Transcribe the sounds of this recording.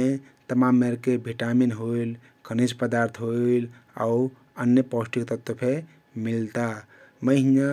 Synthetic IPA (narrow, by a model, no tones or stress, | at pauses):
e | t̪əmamːeɾkebʱiʈaminɦoil | kʰənispəd̪aɾt̪ʰɦoil | a̰u | ənjəpɔsʈikt̪ət̪əpʰe | milt̪a | məɦina